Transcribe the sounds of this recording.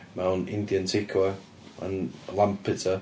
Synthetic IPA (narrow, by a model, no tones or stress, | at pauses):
mawnɪ̰̃nd̪iə̃ntʰɪkʰwə | ə̰̃nlampʰɪtə